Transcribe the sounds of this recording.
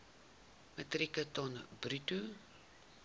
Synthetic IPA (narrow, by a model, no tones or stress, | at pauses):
mətrikətɔnbrytu